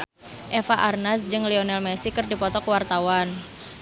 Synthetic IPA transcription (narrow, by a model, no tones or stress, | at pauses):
ʔefaʔarnasd͡ʒɨŋlionɛlmɛsikɨrdipɔt̪ɔkəwart̪awan